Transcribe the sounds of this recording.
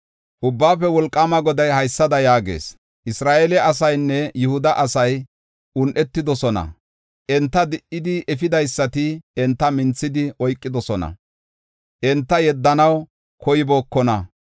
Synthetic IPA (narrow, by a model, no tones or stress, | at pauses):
ʔʊbːaːfɛwɔlkʼːamɐɡɔd̪ɐjhɐjsːɐd̪ɐjaːɡḛːs | ʔɪsɾaːʔelɛʔɐs̬ɐjnːɛjʊhʊd̪ɐʔɐsɐj | ʔʊnʔɛt̪ːɪd̪ɔsɔnɐ̰ | ʔɛnt̪ːɐd̪ɪʔɪd̪ɪʔɛfɪd̪ɐjsːɐt̪ɪɛnt̪ːɐmɪnt͡sːɪd̪ɪʔɔjkʼːɪd̪ɔsɔnɐ̰ | ʔɛnt̪ːɐjɛd̪ːɐnɐw | kɔjɪboːkːɔnɐ